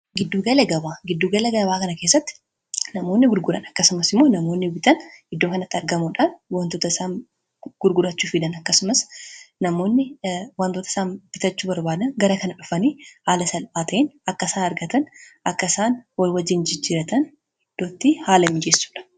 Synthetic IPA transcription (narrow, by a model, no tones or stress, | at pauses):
ɡɪd̪ːuːɡɐlɐɡɐbaːɡɪd̪ːuːɡɐlɛɡɐbaːkɐnɐkeːs̬ːɐt̪ːɪ̥ | nɐmo̞ːnːɪɡʊɾɡʊɾɐnɐkːɐsʊmɐsɪmːo̞ːnɐmo̞ːnːɪbɪt̪ɐnɪd̪ːoːkɐnɐt̪ːɪɐɾɡɐmuːᶑaːnwaːnt̪oːt̪ɐsaːn | ɡ̥ʊɾɡʊɾɐt͡ʃːuːfɪd̪ɐnɐkːɐsʊmɐsnɐmo̞ːnːɪwaːnt̪ot̪ɐɪ̥saːnb̥ɪt̪ɐt͡ʃːuːbɐɾbaːd̪ɐnɡɐɾɐkɐnɐᶑʊfɐniːhaːlɐsɐlpaːt̪ʰɐʔɪnɐkːɐsaːnɐɾɡɐt̪ɐnʔɐkːɐɪsaːnwɐlwɐd͡ʒːɪnd͡ʒɪd͡ʒiːɾɐt̪ɐn | ɪd̪̥ːoːt̪ːihaːlɐmɪd͡ʒesːu̥ːᶑɐ̥